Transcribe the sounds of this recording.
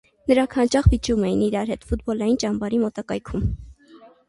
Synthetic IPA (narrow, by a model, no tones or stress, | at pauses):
nəɾɑŋkʰhɑnt͡ʃɑχvit͡ʃumɛjiniɾɑɾɦɛt̪fut̪̚bɔlɑjint͡ʃɑmbɑɾimɔt̪ɑkɑjkʰum